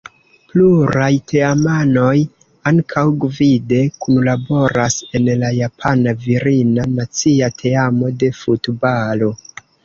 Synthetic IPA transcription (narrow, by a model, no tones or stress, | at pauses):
pluɾajtʰe̞amano̞j | aŋkʰawɡvide̞kunlabo̞ɾase̞nlajapʰanaviɾinanat͡siatʰe̞amo̞de̞futbalo̞